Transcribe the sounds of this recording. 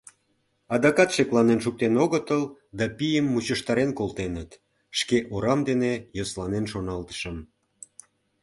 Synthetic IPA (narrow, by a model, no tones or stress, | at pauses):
ɑd̪ɑkɑt̪ʃeklɑnenʃ̬uk̚t̪enoɣət̪əld̪ɑpijəmːut͡ɕəʃt̪ɑɾenkolt̪enət̪ | ʃkeʔoɾɑmd̪enejoslɑnenʃonɑlt̪ə̥ʃəm